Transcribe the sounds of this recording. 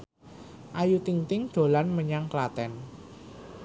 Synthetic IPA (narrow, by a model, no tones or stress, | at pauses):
ʔajut̪iŋt̪ɪŋd̪̥o̤lanməɲaŋklat̪ɛn